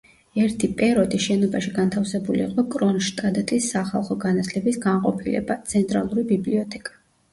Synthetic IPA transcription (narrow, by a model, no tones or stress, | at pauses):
ɛɾt̪ʰipʼɛɾɔd̪iʃɛnɔbaʃiɡant̪ʰafsɛbulḭːqʼɔkʼɾɔnʃt̪ʼad̪t̪ʼisːaχalˠχɔɡanat̪ʰlɛbisɡaɴqʼɔ̰pʰilɛ̰bat̪sʰɛnt̪ʼɾa̰lˠuɾibibliɔt̪ʰɛkʼḁ